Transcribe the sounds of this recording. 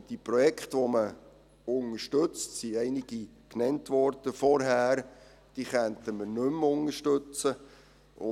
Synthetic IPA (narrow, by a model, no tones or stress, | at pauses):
d̥ipɾɔjɛkχtʋɔmə | ʊŋəʃtɵt͡stsiɛɪnɪɡ̥i | knɛntʋɔɾd̥əfɔɾɦæːɾ | d̥iːχænt̪əmənɵmʊnəʃtɵt͡sə | ʊ